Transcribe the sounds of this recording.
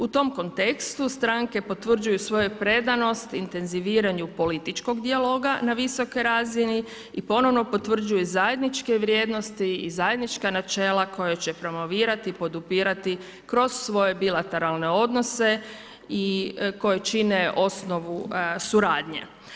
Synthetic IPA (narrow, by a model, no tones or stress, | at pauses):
ut̪o̞mko̞nt̪e̞kst̪ust̪ɾaŋke̞po̞t̪ʋr̩d͡ʒujusʋo̞jupɾe̞d̪ano̞st̪int̪e̞nziʋiːɾaɲupo̞lit̪it͡ʃko̞ɡd̪ialˠo̞ːɡanaʋiso̞kojɾaːzini | ipo̞no̞ʋno̞po̞t̪ʋr̩d͡ʒujuzaje̞d̪nit͡ʃkeʋɾje̞d̪no̞st̪iizaje̞d̪nit͡ʃkanat͡ʃe̞ːlˠakʰo̞jat͡ɕe̞pɾo̞mo̞ʋiːɾat̪ipo̞d̪upiːɾat̪i | kɾo̞z̥sʋo̞je̞bilat̪e̞ɾalˠne̞o̞d̪no̞se̞ | iko̞jet͡ʃineʔo̞sno̞ʋusuɾaːd̪ɲḛ